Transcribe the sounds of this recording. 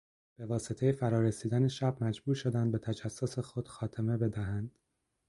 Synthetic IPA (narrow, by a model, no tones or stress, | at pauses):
b̥e̞vɒːset̪ʰe̞jefæɾɒːɾesiːd̪æneʃæb̥mæd͡ʒbuːɾʃo̞d̪ænd̪̚be̞t̪ʰæd͡ʒæsːose̞xo̞d̪̥xɒːt̪ʰe̞me̞be̞d̪æɦænd̪̥